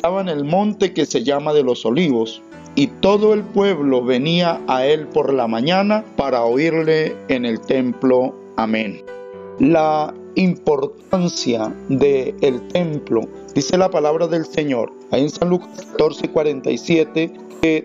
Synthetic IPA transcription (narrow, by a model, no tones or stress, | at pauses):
est̪aβaene̞lmõ̞nt̪e̞ke̞se̞ʝamaðe̞lo̞so̞liβo̞s | it̪o̞ðo̞e̞lpwe̞βlo̞βe̞niaae̞lpo̞ɾlamãɲanapaɾaoiɾle̞ːne̞lt̪e̞mplo̞ | amẽn | la | impo̞ɾt̪ansjaðeːlt̪e̞mplo̞̰ | d̪̥ise̞lapalaβɾaðe̞lseɲo̞ɾ | aiensanlukaskḁt̪o̞ɾsekwaɾe̞nt̪a̰jsjet̪e | ke